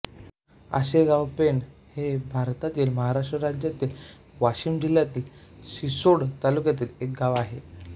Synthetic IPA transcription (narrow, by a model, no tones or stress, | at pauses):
ə̰ɕeɡaʋpenhebʱaɾt̪at̪iːlməɦaɾaʂʈɾəɾad͡ʑjat̪iːl | ʋaɕiːmd͡ʑiljat̪iːlɕisoɽt̪alukjat̪̬iːlek̚ɡaʋaɦe